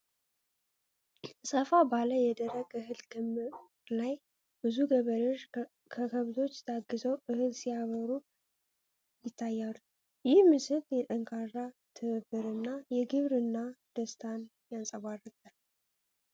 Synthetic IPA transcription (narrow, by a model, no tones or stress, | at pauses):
sʼəfabaləjɛd̪əɾəɡɨhɨlkɨmɨ | laj | b̥ɨzuɡəβəɾɨʒ | kʰəkʰəβzo̞t͡ʃːt̪ʰaɡɨzəwʔɨhɨlsijaβəɾu | jɪt̪ʰːajːalu | jɪhmɨsɨljɛt̪ʼəŋkʰʼarːat̪ʰɨβɨbːɨɾɨnːajɛɡɨβɾɨnːad̪̥əst̪ʰan | jansʼəβarɨt̪ʼːal